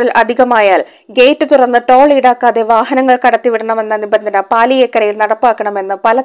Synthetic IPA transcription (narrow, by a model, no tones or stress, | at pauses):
rilʔɐd̪ʱiɣɐmaːjaːl | ɡe̞ːtːɨt̪urɐnːɨʈoːɭiɽaːkːaːðe̞ʋaːhɐnɐŋːɐɭkɐɽɐt̪ːiʋiɽɐɳɐme̞nːɐnibɐnd̪ʱɐnɐpaːlijekːɐɾɐjilnɐɽɐpːaːkːɐɳɐme̞nːɨpɐlɐ